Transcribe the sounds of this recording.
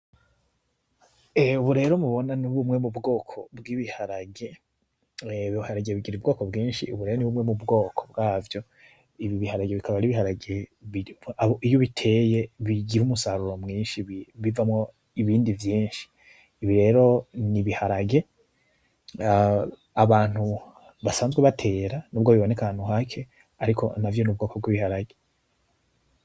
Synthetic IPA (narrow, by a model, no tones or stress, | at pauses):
euβuɾe̞ːɾomuβo̞naniβumŋe̞mubɡo̞ːkʰo̞bɡiβihaɾaɡe̞ | βiihaɾaɡeβiɡiɾuubɡo̞ːkobɡiːnʃḭṵβuɾe̞ːɾoniβumŋe̞mubɡo̞ːkʰo̥bɡaːvjo̞ | iβiβihaɾaɡeβikʰaβaɾiβihaɾaɡeβiaβoijoβitʰe̞je̞βiɡiɾumusaɾuɾo̞mŋiːnʃiβivamŋo̞ | iβiːndivjiːnʃi̥ː | βiɾe̞ːɾo̞niβihaɾaɡe̞ | aβaːn̥hu | βasaːnzɡweβatʰe̞ːɾanub̚ɡoβiβo̞ne̞kaanhuɦakʰe̞ | aɾikʰo̞̰navjo̞nub̚ɡo̞ːkʰo̞bɡiβihaɾaɡe̞